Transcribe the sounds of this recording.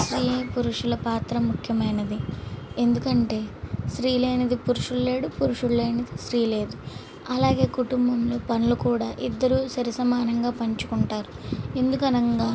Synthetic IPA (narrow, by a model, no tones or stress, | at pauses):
sɾijeːpuɾuʂulɐpaːt̪ɾɐmukʰjɐmɐjnɐd̪ie̞nd̪ukɐɳʈe̞ːsɾiːle̞ːnɐd̪ipuɾuʂulːe̞ːɽupuɾuʂuɭːeːnɐd̪isɾiːle̞ːd̪u | ɐlaːɡe̞ːkuʈumbɐmloːpɐnulukuːɽaːʔid̪ːɐɾuːsɐɾisɐmaːnɐŋɡaːpɐɲt͡ʃukuɳʈaːɾu | e̞nd̪ukɐnɐŋɡaː